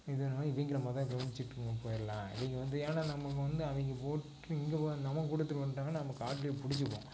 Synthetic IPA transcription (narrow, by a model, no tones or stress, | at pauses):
ɪðɯnːɪʋɛŋɡɪɽɐmɐðãpɾɐʋɐnd͡ʒɪt͡ʃːɪʈːɯŋɡɐpoːjɪɾɐlãːɪ̰ʋɛŋɡɐʋɐnd̪ɯeːnaːnɐmːɐkːɯʋɐnd̪ɯɐʋɛŋɡɐpoːʈː | ɯɪŋɡenɐmːɐkuːɽɐt̪ːɯkʋɐnɾaːŋɡɐnːnɐmːɐkːaːʈːɪlɪjopʊɽɪt͡ʃːɯpːõ̰ː